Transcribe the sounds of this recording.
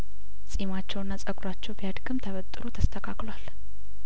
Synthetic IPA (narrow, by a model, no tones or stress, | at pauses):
sʼimat͡ʃːɛwnːasʼəkʼɾat͡ʃːɛwbijad̪ɡɨmt̪ʰəβət̪ʼːɨɾut̪ʰəst̪ʰəkʰaklwal